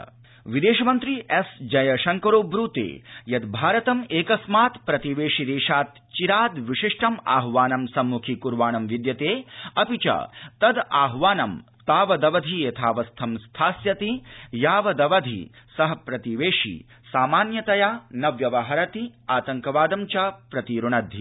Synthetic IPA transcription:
ʋid̪eːʃɐmɐnt̪ɾiʔesd͡ʒɐjɐʃɐŋkɐɾoːbɾuːt̪ḛːjɐd̪bʱaːɾɐt̪ɐmeːkɐsmaːt̪pɾɐt̪iʋeːʂid̪eːʂaːt̪̚ | t͡ʃiɾaːd̪ʋiʃiʂʈʰɐma̰ːɦʋaːnɐmsɐmːukʰikuɾʋaːnɐmʋid̪jɐt̪eːɐpit͡ʃɐ̰t̪ɐd̪a̰ːɦʋaːnɐm | t̪aːʋɐd̪ɐʋɐd̪ʱijɐt̪ʰaːʋɐst̪ʰɐmst̪ʰaːsjɐt̪ijaːʋɐd̪ɐʋɐd̪ʱḭ | sɐɦɐ̆pɾɐt̪iʋeːʂḭ | saːmaːnjɐt̪ɐjaːnɐʋjɐʋɐɦɐɾɐt̪iaːt̪ɐŋkɐʋaːd̪ɐmt͡ʃapɾɐt̪iɾuɳɐd̪ʱːi

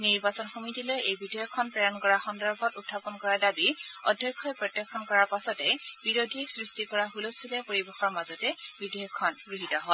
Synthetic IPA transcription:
niɹbasɔnxomitilojejbidɔjɔkʰːɔnpɹɛjɔnkɔɹaxɔndɔɹbʱɔtutʰːapɔnkɔɹadabiɔ̰dʱjɔkʰːɔjpɹɔtjɔkʰːɔnkɔɹaɹpasɔtɛb̥iɹodʱisɹistikɔɹaɦulostʰulɛpoɹibɛxɔɹmazɔtɛbidɔjɔkʰːɔnɡɹiɦitɔɦɔ

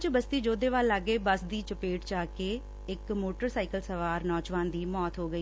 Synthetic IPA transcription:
t͡ʃbəst̪iːd͡ʒoːd̪eːʋaːlːaɡːeːbəsd̪iːt͡ʃəpeːʈt͡ʃaːkeː | ɪkmoːʈəɾsaːɪkəlsəʋaːɾnɔːd͡ʒʋaːnd̪iːmɔːt̪ɦoːɡəiː

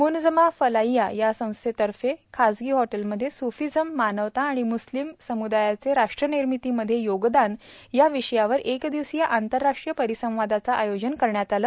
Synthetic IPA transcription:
mund͡zəmafəlajjajasə̃w̃st̪ʰet̪əɾfekʰad͡zɡiːɦɔʈəlməd̪ʱːjesufid͡zəmːanəʋt̪ãːɽ̃imuslimsəmud̪ajat͡seɾaʂʈɾəniɾmit̪iːməd̪ʱːjejoɡd̪an | jaʋiɕəjaʋəɾʔekd̪iʋsijaʔant̪əɾːaʂʈɾijəpəɾisə̃w̃ʋad̪at͡saʔajod͡ʑənkəɾɳjat̪alə

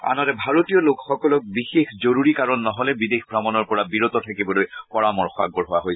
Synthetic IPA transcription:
a̰nɔɾɛbʱaɹotiɔlokxɔkɔlɔk̚bixexzoɹuɹikaɹɔnːɔɦɔlɛbidexbʱɹamɔnɔɹpɔɹabiɹot̪ɔtʰakibɔlojpɔɹamɔɹxɔa̰ɡɔɹɦʊwaɦoj

